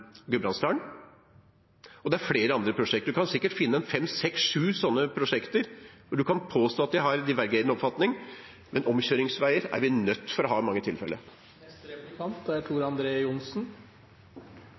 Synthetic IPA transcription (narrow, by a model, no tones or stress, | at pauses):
ɡʉbɾɑnst̪ɑːɳ | ɔd̪ɛæɾfleːɾəɑnd̪ɾəpʰɾʊʂɛkt̪əd̪ʉkʰɑnsɪkːəʈfɪnːəɛnfɛmːsɛksʂʉːsɔnːəpʰɾʊʂɛkt̪əɾʋʊɖʉkʰɑnpʰoːst̪oːɑt̪̚d̪ɪhɑɾd̪ɪʋæɾɡeɪd̪nəɔpfɑt̪nɪŋ | mɛnʔɔmɕøːɾɪŋsʋæɪəɾæ̰ɾʋɪnœt̪ːfɔɾɔɦɑːmɑŋːət̪ʰɪlfɛ̰lə̰ɾ | ɑnt̪æʈʰuːɾɑnd̪ɾeːʊnsn